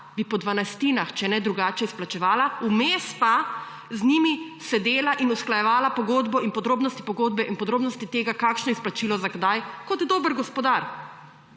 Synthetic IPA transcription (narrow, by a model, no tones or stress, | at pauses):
bipɔd̪ʋanajst̪iːnaxt͡ʃɛnɛd̪ɾuɡaːt͡ʃɛisplat͡ʃɛʋaːlaumeːspa | znimisɛd̪eːlaʔinusklajɛʋaːlapɔɡoːd̪bɔinpɔd̪ɾoːbnɔst̪i̥pɔɡoːd̪bɛʔinpɔd̪ɾoːbnɔst̪it̪eːɡakaːkʃnɔisplat͡ʃilɔzaɡd̪ajkɔt̪d̪oːbəɾɡɔspɔd̪aɾ